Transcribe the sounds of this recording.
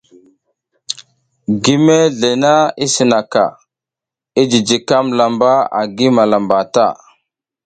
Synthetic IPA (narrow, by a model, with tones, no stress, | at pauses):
ɡi˦me˦ɮe˨na˦i˦si˨na˨ka̰˨ | i˦d͡ʒi˨d͡ʒi˨ka˦mla˨mba˦a̰˨ɡi˦ma˨la˨mba˨ta˦˨